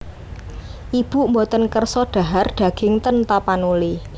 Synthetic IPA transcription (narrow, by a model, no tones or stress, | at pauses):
ʔib̥ṳʔmbot̪ənkərsɔɖ̪̥a̤ɦarɖ̪̥a̤ɡ̥ɪ̤ŋt̪ənt̪apanuli